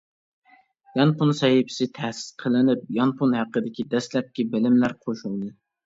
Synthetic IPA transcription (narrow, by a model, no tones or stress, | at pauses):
jɑnpunsɛɦipɪ̥sɪt̪ʰɛhsɪ̥sqʰəlɪnɪp̚jɑnpʰunhæqəd̪ɪkʲid̪ɛslɛp̚kʲibɪlɪmlæɾqʰoʃulˠd̪ɨ